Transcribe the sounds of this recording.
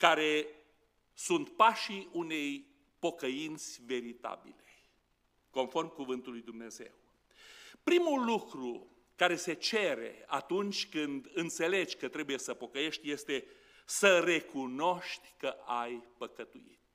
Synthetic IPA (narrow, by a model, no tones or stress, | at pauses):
kaɾe̞ | sunt̪paʃiune̞j | po̞kəint̪sʲve̞ɾit̪a̰bḭle̞ | ko̞nfo̞rmkuvɨnt̪ulujd̪umne̞ze̞̰w | pɾimulukɾu | kaɾe̞se̞t͡ʃe̞ɾḛa̰t̪unt͡ʃʲkɨnd̪ɨnt̪se̞le̞d͡ʒʲkət̪ɾe̞buje̞səpo̞kəje̞ʃt̪ʲjest̪e̞ | səre̞kuno̞ʃt̪ʲkəʔajpəkət̪uḭt̪